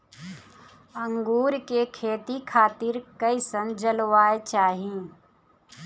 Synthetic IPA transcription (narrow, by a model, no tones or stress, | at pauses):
ə̃ŋɡuːɾkekʰeːt̪ikʰaːt̪ɪɾkɐisə̃nd͡ʒəlʋaːet͡ʃaːɦĩ